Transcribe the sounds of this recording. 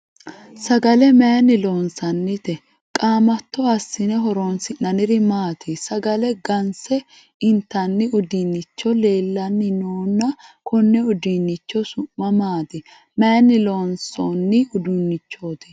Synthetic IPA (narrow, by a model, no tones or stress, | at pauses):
sɐɡɐlɛmeːnːɪloːnsɐnːɪt̪ɛ | kʼaːmɐt̪ːɔɐsːɪnɛɦɔɾoːnsɪnɐnɪɾɪmaːt̪ʰɪsɐɡɐlɛɡɐnsɛ | ɪnt̪ːɐnːɪʊd̪inːɪt͡ʃːɔle̞ːlːɐnːɪnoːnːɐkʰɔnːɛʊd̪inːɪt͡ʃːɔsʊmːɐmaːt̪ɪ | mɛːnːɪloːnsonːɪʊd̪ʊnːɪt͡ʃːoːt̪ɪ̥